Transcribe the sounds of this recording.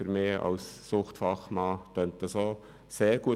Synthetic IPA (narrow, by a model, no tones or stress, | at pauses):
fyɾmeːɑ̰wsːʊχtfɑχmɑːt̪œnt̪əsoː | seːɾɡ̥uə